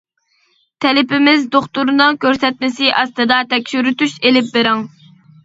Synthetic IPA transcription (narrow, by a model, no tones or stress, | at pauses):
t̪ʰɛlɪpɪmɪzd̪oχt̪uɾɨnɨŋkʲøɾsɛt̪̚mɪsɪʔɑst̪ɨd̪ɑt̪ʰɛkʲʃyɾyt̪yʃelɪp̚beɾɪŋ